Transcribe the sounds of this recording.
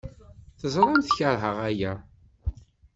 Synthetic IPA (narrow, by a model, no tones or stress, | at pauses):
θəzˤɾˤəmθçəɾˤɦəʁæjæ